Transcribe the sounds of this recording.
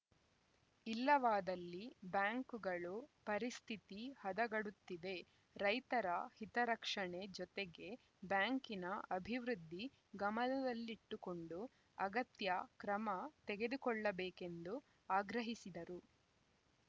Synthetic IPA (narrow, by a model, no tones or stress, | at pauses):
ilːɐʋaːd̪ɐlːibjaːŋkuɡɐɭupɐɾist̪ʰit̪ihɐd̪ɐɡɐɽut̪ːid̪e̞ | ɾɐjt̪ɐɾɐhit̪ɐɾɐkʂɐɳe̞d͡ʒɔt̪eɡe̞ | bjaːŋkinɐʔɐbʱiʋɾud̪ʱːi | ɡɐmɐnɐd̪ɐlːiʈːuko̞ɳɖu | ɐɡɐt̪jɐkɾɐmɐt̪eɡe̞d̪ukɔɭːɐbɛːke̞nd̪u | aːɡɾɐɦisid̪ɐɾu